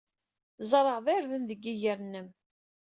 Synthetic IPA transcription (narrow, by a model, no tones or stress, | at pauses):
zˤəɾˤəʁðæɾðənðəɡːiʝəɾnːəm